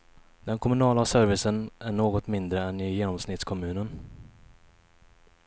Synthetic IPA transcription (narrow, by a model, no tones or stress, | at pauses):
d̪̥ɛnkʰɔmɵnɑːlasœɾvɪsənʔæɳoːɡɔt̪mɪnd̪ɾəɛnɪjeːnɔmsnɪt̪skʰɔmʉ̟ːnən